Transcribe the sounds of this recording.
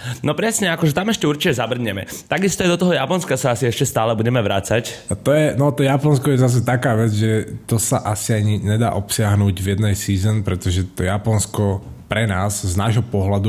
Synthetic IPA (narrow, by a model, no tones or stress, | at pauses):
nɔpɾɛsɲɛakɔʒɛt̪amɛʃcɛuɾt͡ʃicɛzabr̩ɲɛmɛ̰t̪aɡist̪ɔajd̪ɔt̪ɔɦɔjapɔnskasaasiɛʃcɛst̪aːlɛbuɟɛmɛʋɾa̰t͡sact̪ɔjɛnɔt̪ɔjapɔnskɔjɛzas̬ɛt̪akaːʋɛd͡zʒɛt̪ɔsaʔasiaɲiɲɛd̪a̰ːʔɔpsɪaɦnuːɟvjɛd̪nɛjsiːzɔnpɾɛt̪ɔʒɛt̪ɔjapɔnskɔpɾɛnaːzznaːʒɦɔpɔɦlad̪u